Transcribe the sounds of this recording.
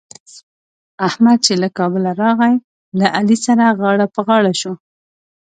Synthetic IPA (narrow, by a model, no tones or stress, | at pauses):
ahmad̪̚t͡ʃelakɑbəlaɾɑɣaj | laʔalisaɾaɣɑɽapəɣɑɽaʃo